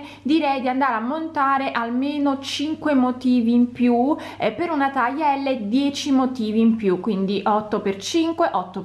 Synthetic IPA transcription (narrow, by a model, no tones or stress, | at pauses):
d̪iɾɛjd̪iand̪aːɾeamːont̪aːɾeʔalmeːnot͡ʃiŋkwemot̪iːviːmpju | epːeɾunat̪ajaɛlːed̪jɛːt͡ʃimot̪iːviːmpjukːwind̪iʔɔt̪ːopert͡ʃiŋkweʔɔt̪ːo